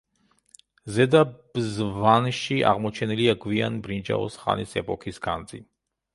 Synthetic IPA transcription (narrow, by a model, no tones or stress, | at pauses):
zɛd̪ab̥zvanʃiʔa̰ʁmɔt͡ʃʰɛniliaɡvianbɾind͡ʒa̰ɔ̰sχa̰nisɛpʼɔkʰisɡa̰nd̪zi